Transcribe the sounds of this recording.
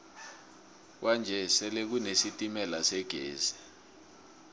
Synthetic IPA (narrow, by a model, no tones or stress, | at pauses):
kwand͡ʒʱɛsɛlek̬unesitʼimɛlasɛɡ̥ʱḛːzi̥